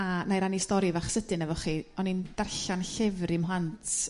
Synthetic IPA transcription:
anajɾanistɔɾivaχsədɨnɛvɔχiɔnind̥arɬanɬɛvrimɦantʰ

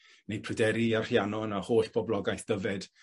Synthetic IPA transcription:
nejpʰrɨdɛɾiarrjanɔnahoːɬb̥ɔblˠɔɡajθd̥əvɛd̥

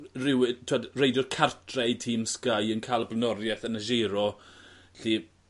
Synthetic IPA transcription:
rɪwɪtʰuadrejdɔrkʰartʰrɛjtʰiːmskajənkʰaːlˠblnɔɾjɛθənəʒɛɾɔ | ɬi

